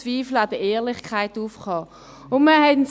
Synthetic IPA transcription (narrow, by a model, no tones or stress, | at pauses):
viːflad̥əeːɐlɪχkʰaɪtuːfkɑː | ʊnməhɛtns